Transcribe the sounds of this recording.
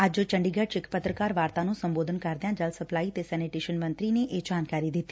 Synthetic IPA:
əd͡ʒot͡ʃəɳɖiːɡət͡ʃɪkpət̪ɾəkaːɾʋaːɾt̪ãːnũːsəmboːd̪ʱənkəɾd̪ejãːd͡ʒəlsəplaːiːt̪eːsɛːneːʈɪʃənmə̃nt̪ɾiːneːʔeːd͡ʒaːnkaːɾiːd̪ɪt̪ːiː

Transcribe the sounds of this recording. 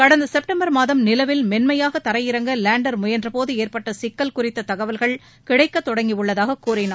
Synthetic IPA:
kɐɽɐnd̪ɐsɛp̚ʈɐmbɐɾmaːðɐmnɪlɐʋɪlmɛnmɐjaːɣɐt̪ɐɾɐjɪɾɐŋɡɐlaːɳɖɐɾmʊjɐndrɐpoːðɯeːrpɐʈːɐsɪkːɐlkʊrɪt̪ːɐt̪ɐɣɐʋɐlɣɐɭ | kɪɽɐɪkːɐt̪ːɔɽɐŋɡiɯɭːɐðaːɣɐkuːrɪnaː

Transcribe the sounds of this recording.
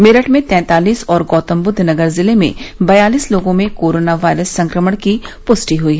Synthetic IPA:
mɪɾəʈmẽt̪ɛ̃ːt̪aːliːsɔːɾɡɔːt̪əmbʊd̪ʱnɐɡəɾzɪlemḛ̃bɐjaːliːsloːɡõmẽkoːɾoːnaʋaːɪɾəsːɐ̃ŋkɾəməɽ̃kipʊsʈiɦʊiːɦɛ

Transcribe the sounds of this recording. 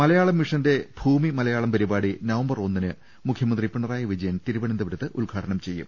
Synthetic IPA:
mɐlɐjaːɭɐmʋiʂɐnde̞bʱuːmimɐlɐjaːɭɐmpɐɾibaːɽinɐʋɐmbɐro̞nːinɨ | mukʰjɐmɐnd̪ripiɳɐraːjɐʋid͡ʑɐjɐnt̪iɾubɐɳend̪ɐʋɐɾɐt̪ːɨʔulɡʱaːʈʰɐɳɐmt͡ɕe̞jːṵm

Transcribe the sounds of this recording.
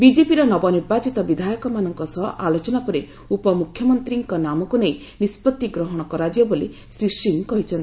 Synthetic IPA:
bid͡ʒepiɾɔnɔbɔniɾbat͡ʃit̪ɔbid̪ʱajɔkɔmanɔŋkɔsɔɦʔalot͡ʃɔnapɔɾe | upɔmukʰjɔmɔnt̪ɾiŋkɔnamɔkunej | nispɔt̪iɡɾɔɦɔɽ̃ɔkɔɾad͡ʒɔboli | sɾisiŋkɔɦit͡ʃʰɔnt̪i

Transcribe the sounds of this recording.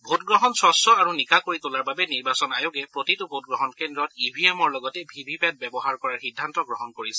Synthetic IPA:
bʱot̚ɡɹɔɦɔnsɹɔsɔaɹunikakoɹitʊlaɹbabɛniɹbasɔnajoɡɛpɹotitubʱot̚ɡɹɔɦɔnkendɹɔtibʱiɛmɔɹlɔɡɔtɛbʱibʱipɛt̚bɛbɔɦaɹkɔɹaɹxidʱːantɔɡɹɔɦɔnkoɹisɛ

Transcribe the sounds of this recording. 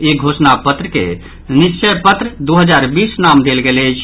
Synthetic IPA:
eɡʱoːsnapət̪ɾəkḛ | nist͡ʃəjpət̪ɾəd̪uɦəd͡ʒaːɾbiːsnamd̪elɡelet͡ʃʰ

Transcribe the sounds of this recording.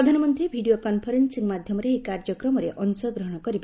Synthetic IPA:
ɾʌd̪ʱanɔmʌnt̪ɾibʱiɖijokɔnpʰɔɾensiŋmad̪ʱjɔmɔɾeɦikaɾd͡ʒjʌkrɔmɔɾeʔʔʌnsʌɡɾʌɦɽ̃ɔkʌɾib

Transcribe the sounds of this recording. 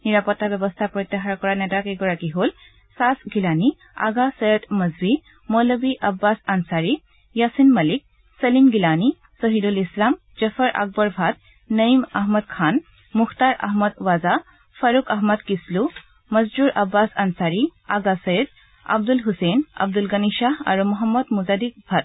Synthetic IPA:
niɹapɔtːabjɛbɔst̪ʰapɹɔt̪ːɛɦaɹakɔɹanɛtakeɡɔɹakiɦol | sasɡilani | a̰ɡasəjət̪mɐzbi | mɔləbiʔɐbːasansaɹi | jasinmɐlik̚ | səlimɡilani | sɔɦidulislam | zəfəɹʔa̰k̚bɔɹbʱat̪̚ | nɐimɐɦmɐd̪kʰaːn | muxt̪aːɾɐ̰ɦmɐd̪ʋaza | fɐɾukɐɦmɐd̪kislu | mɐzd͡ʒuɾɐbːaːsɐnsaːɾia̰ɡasɐjəd̪ | ɐ̰b̚d̪ulɦusenɐ̰b̚d̪ulɡɐniʃaːɦɐ̰ɾumuɦɐmːɐd̪muzaːd̪ik̚bʱɐt̪̚

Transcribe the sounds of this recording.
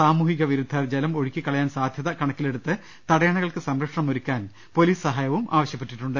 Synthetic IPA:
saːmuːhiɣɐʋiɾud̪ʱːɐrd͡ʑelɐmo̞ɻikʲːikːɐɭɐjaːnsaːd̪ʱjɐðɐkɐɳɐkːile̞ɽut̪ːɨ | t̪ɐɽɐjaɳɐɣɐɭkɨsɐmɾɐkʂɳɐmoɾukʲːaːn | po̞liːssɐɦaːjɐʋumʔa̰ːʋɐɕjɐpːe̞ʈːiʈːuɳɖɨ

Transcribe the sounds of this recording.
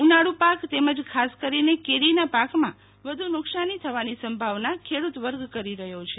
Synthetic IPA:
unaɽupakt̪eməd͡ʒkʰaskəɾinekeɾinapakmã | ʋəd̪ʱunʊksanit̪ʰəʋanisəmbʱaʋnakʰeɽut̪ʋəɾɡkəɾiɾəɦjot͡ʃʰe

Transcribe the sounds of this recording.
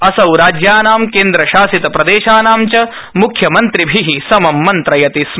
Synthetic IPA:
ɐsɐwɾaːd͡ʒjaːnaːmkeːnd̪ɾɐʃaːsit̪ɐpɾɐd̪eːʃaːnaːmt͡ʃɐ | mukʰjɐmɐnt̪ɾibʱiɦisɐmɐmːɐnt̪ɾɐjɐt̪is

